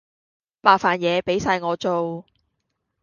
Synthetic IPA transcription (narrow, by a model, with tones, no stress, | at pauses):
paː˨˧kfaː˨˩njɛː˨˧pe˨˥jsaː˧jŋɔː˨˧t͡so˨w